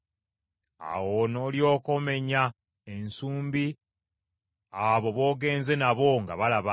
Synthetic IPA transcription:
a̰wono̞ːljo̞ːko̞me̞ɲa | e̞nsuːmbi | aβo̞βo̞ːɡe̞ːnze̞naβo̞ŋɡa̰βalaβa

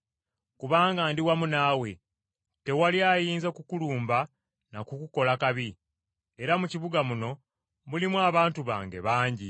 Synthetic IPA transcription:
kuβaːŋɡaːndiwamunaːwe̞ | te̞waliaːjiːnzakukuluːmba | nakukuko̞lakaβi | e̞ɾamuciβuɡamuno̞ | mulimwaːβaːntuβa̰ːŋɡe̞̰βaːɲɟi

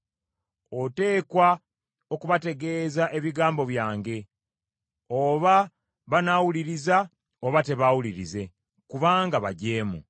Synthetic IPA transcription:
o̞te̞ːkwa | o̞kuβate̞ɡe̞ːzaʔe̞βiɡaːmbo̞βjaːŋɡe̞ | oβa | βanawuliɾiza | oβate̞βawuliɾize̞ | kuβaːŋɡaβa̰ɟe̞ːmṵ

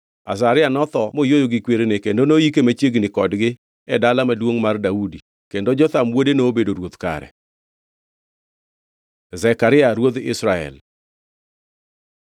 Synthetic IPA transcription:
a̰s̬aɾɪanɔt̪ɔmojojoɡɪkweɾenekendonoikemat͡ʃjeɡnɪkɔdɡɪ | ɛdalamadwoŋmardaudi | kendod͡ʒɔt̪amwodenoːbedoɾwot̪ka̰ɾɛ̰ | zɛkaɾɪaɾwod̪ɪ̰sɾaɛ̰l

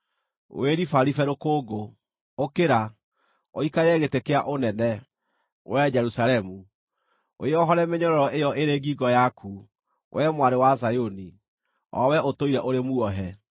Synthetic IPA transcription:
o̰eɾifaɾifɛɾokoːɡo | okeɾa | oikaɾɛɣetekeaʔonɛnɛ | wʔɛd͡ʒɛɾusalɛmu | o̰eɔɦɔɾɛmeɲɔɾɔɾɔʔejɔʔeɾeːɡiɡɔjakʰu | wʔɛmwaɾewazajoni | ɔ̰wɛotoiɾɛʔoɾemuɔɦɛ

